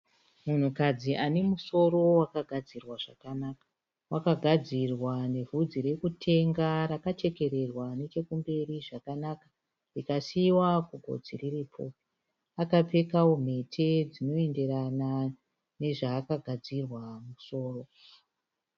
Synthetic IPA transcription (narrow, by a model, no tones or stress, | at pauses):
mun̤ukad͡ziʔane̞muso̞ro̞wakaɡʱad͡zirwaʐ̥akanaːkḁ | wʔakaɡʱad͡zirwane̞vʱud͡ziɾe̞kutʰe̞ŋɡaɾakat͡ʃe̞ke̞ɾe̞rwane̞t͡ʃe̞kumbe̞riʐakanakḁ | rikasiwakuɡʱo̞̰d͡ziririːpʰo̰ | akape̞kawom̤e̞tʰe̞d͡zino̞e̞nde̞ɾana | ne̞ʐaːkaɡʱad͡zirwamuso̞ːro̞